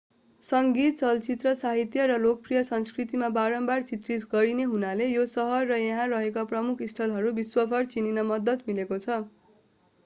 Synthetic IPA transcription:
sʌŋɡit̪̚t͡sʌlt͡sit̪rʌsaɦit̪jʌɾʌlokʌprijʌsʌnskrit̪imabaɾʌmbart͡sit̪rit̪ɡʌɾineɦunalejosʌɦʌrːʌjʌɦãrʌɦekaprʌmukʰisʈ̪ʰʌlɦʌɾubiswʌpʰʌrt͡sininʌmʌd̪ʌt̪milekot͡sʰʌ

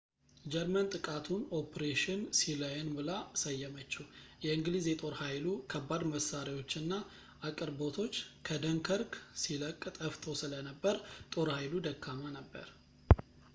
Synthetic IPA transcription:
d͡ʒɛɾmənt̪ʼɨkʼat̪ʰuno̞pɾeʃɪnsiləjnbɨlasəjːɛmət͡ʃːɛjɛɨŋɡlizjɛt̪ʼo̞ɾhajlukʰəbːad̪məsaɾiwo̞t͡ʃːɨnːa | akʼɨɾbo̞t̪ʰo̞t͡ʃːkʰəd̪əŋkʰəɾksiləkʼːt̪ʼəft̪ʰosɨlənəbːəɾt̪ʼo̞ɾhajlud̪əkʰːamanəbːə̰ɾ

